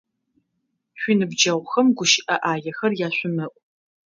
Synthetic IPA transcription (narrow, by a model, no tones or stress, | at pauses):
ɕʷinɨbd͡ʒɐʁʷxɐmɡʷʊʃɪʔɐʔaːjɐxɐrjaːɕʷʊmɐkʷʼ